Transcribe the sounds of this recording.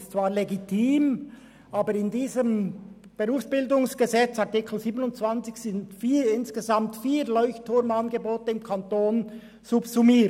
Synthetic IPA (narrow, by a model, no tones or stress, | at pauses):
st͡sv̥aːɾleɡitʰiːm | ʔaːbəɾɪndiːzəm | b̥eʁuːfsb̥ɪldʊŋsɡ̥əzɛt͡saɐʁtikʰl̩ziːbənʊntt͡sv̥ant͡sɪçsɪntfiːɪnsɡ̥əzamtfiːlɔʏçtʰːʊɐmanɡəboːtəɪmkʰantoːn | z̥ʊpsumiː